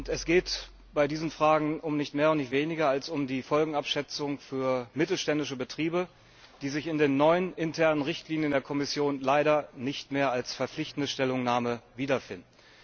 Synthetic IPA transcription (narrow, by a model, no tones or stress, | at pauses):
ʊntɛsɡ̥eːt | b̥aɪdiːzn̩fʁ̥aːɡŋ̩ʊmnɪçtmeːɐʊntnɪçtv̥eːnɪɡɐalsʊmdiːfɔlɡŋ̩apʃɛt͡sʊŋfyːɐmɪtl̩ʃtɛndɪʃəbətʁ̥iːbə | d̥iːzɪçɪndeːnːɔʏənʔɪntʰɛɐnənʁɪçtliːnjəndeːɐkʰɔmɪsjoːnlaɪɾɐnɪçtmeːɐalsfɛɐflɪçtn̩dəʃtɛlʊŋnaːməviːdɐfɪndn̩